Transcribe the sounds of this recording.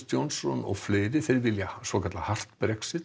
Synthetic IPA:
t̪jownsɔnɔ̰ɣfleːɾɪθejɾvɪljasvɔkʰat̪lahar̥t̪bɾɛksɪt̪

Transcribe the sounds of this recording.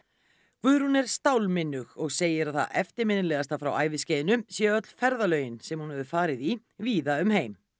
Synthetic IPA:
kʰvʏðɾ̥hunɛɾ̥st̪awlmɪnːʏɣɔɣseːjɪɾaðθa̰ɛft̪ɪɾmɪnɪlɛːɣast̪afɾawa̰ːjvɪscɛːðɪnʏmsjɛːœt̪l̥fɛɾðalœːɥjɪnsɛmhunhɛðʏfaːɾɪði | viːðaʏmɦeːjm

